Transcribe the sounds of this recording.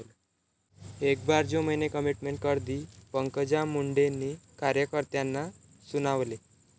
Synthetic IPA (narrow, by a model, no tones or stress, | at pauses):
l | ekbaɾd͡ʑõməjnekəmiʈmeɳʈ̚kəɾd̪iːpəŋkəd͡ʑamuɳɖenːikaɾjəkəɾt̪janːa | sunaʋle